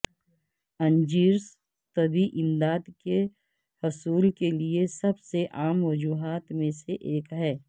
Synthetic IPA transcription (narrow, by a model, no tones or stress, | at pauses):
ɐ̃nd͡ʒiːɾs | t̪ɐbʱiʔɪ̃md̪aːd̪ke | hʊsuːlkeliesɐbseʔaːmʋɐd͡ʒuːɦaːt̪mẽseʔeːkɦɛː